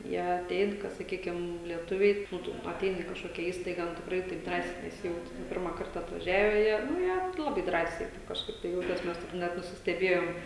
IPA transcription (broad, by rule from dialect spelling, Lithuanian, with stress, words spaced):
ˈjiɛ ɐˈtʲɛɪn kɐ sɐˈkʲiːkʲɪm lʲiɛˈtʊʋʲɛɪ ˈnʊ tʊ ɐˈtʲɛɪnʲɪ ɪ kɐʃˈkoːkʲɛ ˈiːstɐɪɡɐ nʊ tʲɪkˈrɐɪ tɐɪp ˈdrɑːsʲɛɪ nʲɛˈsʲɪjɛʊtʲɪ ˈnʊ ˈpʲɪrmɐ ˈkɐrtɐ ɐtʋɐˈʒʲæːʋʲɛ ˈjiɛ nʊ ˈjiɛ ˈlˠɑːbɐɪ ˈdrɑːsʲɛɪ ˈtɐɪp kɐʃˈkɐɪp tɐɪ ˈjɛʊtʲeːs ˈmʲɛs tɐɪp ˈnʲɛt nʊsʲɪsʲtʲɛˈbʲeːjoːm